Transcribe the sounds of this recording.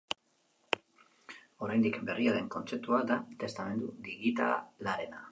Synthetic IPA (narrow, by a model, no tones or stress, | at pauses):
o̞ɾajnd̪ikbe̞riaðe̞ŋko̞nt͡se̞p̚t̪uad̪at̪e̞st̪ame̞nd̪ud̪iɣit̪a̰la̰laɾe̞na